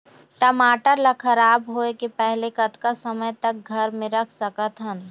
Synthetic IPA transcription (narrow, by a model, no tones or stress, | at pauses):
ʈəmaːʈəɾlakʰɐɾaːbɦoːekepɛɦlekɐt̪kasəməjt̪ɐk̚ɡʱɐɾmɪ̃ɾɐkʰsəkət̪ɦən